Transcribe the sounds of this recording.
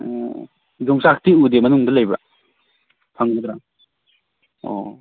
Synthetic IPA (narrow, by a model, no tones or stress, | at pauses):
zuŋsak̚ʰtiudemɐnuŋdɐlɐjbɾa̰ | pʰaŋnɐd̪ɾaŋ | ɔ̰